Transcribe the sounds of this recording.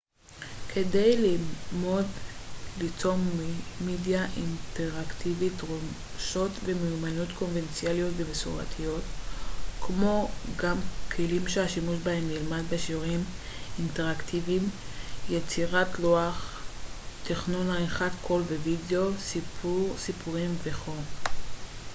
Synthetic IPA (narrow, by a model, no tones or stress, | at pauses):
kʰe̞de̞jlimo̞dlit͡so̞mmidjaʔinteʁakt̪ʰivitʁo | ʃo̞tve̞meumanutko̞nvent͡sialijo̞tvemesuʁa̰t̪ʰijo̞t | kʰmo̞ɡamkʰelimʃeaʃimuʃbahe̞mnilmadbeʃiuʁim | inteʁaktivim | jet͡siʁatloaχ | t̪eχnunaeχatkʰo̞lvevideosipsipuʁimveχo̞